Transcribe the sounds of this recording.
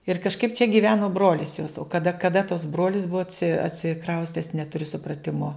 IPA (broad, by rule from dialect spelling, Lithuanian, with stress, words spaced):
ɪr kɐʃˈkɐɪp t͡ʃʲɛ ɡʲɪˈʋʲæːnoː ˈbroːlʲɪs joːs oː kɐˈdɐ kɐˈdɐ tɐs ˈbroːlʲɪs ˈbuɔ ɐtʲsʲɪ ɐtʲsʲɪˈkrɐʊsʲtʲɛs nʲɛtʊˈrʲʊ sʊprɐˈtʲɪmoː